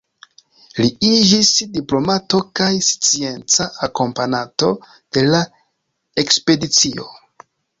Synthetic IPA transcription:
liid͡ʒisdiplo̞mato̞kajst͡sie̞nt͡saːko̞mpanato̞ | d̥e̞la | e̞kspe̞dit͡sio̞̰

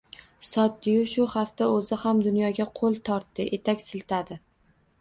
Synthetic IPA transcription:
sɒt̪̚ːɪjʊʃʊhaft̪aɵzɪhamd̪ʊnjɒɡʲaqʰolˠt̪ʰɒɾt̪ːɪʔet̪ʰakʲsɪlt̪ʰad̪ɪ

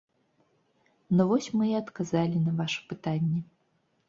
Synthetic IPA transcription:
nɔvɔsʲmɨɛɐt̪kazalʲinɐvaʂɐ̥pɨt̪anʲːɛ

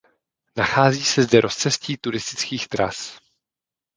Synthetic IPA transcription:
naxaːziːsɛzdɛɾʔo̞st͡sɛsciːt̪uɾɪst̪ɪ̥t͡skiːxt̪ɾa̰s

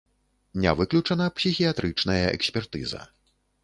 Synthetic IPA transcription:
nʲa̰vɨklʲut͡ʂɐnɐpsʲixʲijat̪ɾɨt͡ʂn̪ɐjɐɛ̰ksʲpʲɛrt̪ɨzɐ̰

